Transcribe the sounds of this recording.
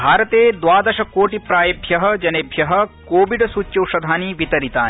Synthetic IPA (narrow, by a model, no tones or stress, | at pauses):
bʱaːɾɐt̪eːd̪ʋaːd̪ɐʃɐkoːʈipɾaːjɐbʱjɐɦɐ̆d͡ʒɐnebʱjɐɦɐ̆koːʋiɖsuːt͡ʃːjɐwʃɐd̪ʱaːniʋit̪ɐɾit̪aːni